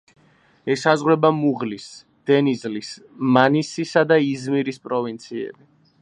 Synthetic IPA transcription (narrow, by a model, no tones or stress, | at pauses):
ɛsazʁwɾɛbamuʁlis | d̪̥ɛnizlis | manisisad̪aizmiɾispʼɾɔvint̪sʰiɛ̰bi